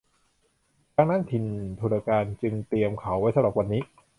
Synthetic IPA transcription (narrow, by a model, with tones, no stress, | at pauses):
kaː˦˥ŋnaː˥˨nt̪ʰi˧nt̪ʰu˧na˧kaː˧nt͡ɕɯ˧ŋt̪i˧əmkʰa˩˥wa˦˥jsa˧˥bɾa˨˩p̚wa˧nːiː˦˥